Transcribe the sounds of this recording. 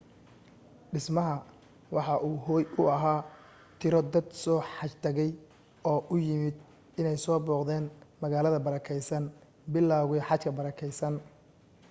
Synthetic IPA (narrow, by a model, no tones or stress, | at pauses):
ɖɪsmɐɦɐ | wɑħɑʔuːɦɔːjʊɐɦaː | t̪ʰɪɾɔd̪ɐd̪sɔːħɑt͡ʃt̪ʰɐɣɛj | ɔːʔʊjɪmɪd̪ | ɪnɛjsɔːbɔːqd̪ɛːnmɐɣaːlɐðɐbɐɾɐkʰɛjsɐn | bɪlːaːɣʊɛħɑt͡ʃkʰɐbɐɾɐkʰɛjsɐn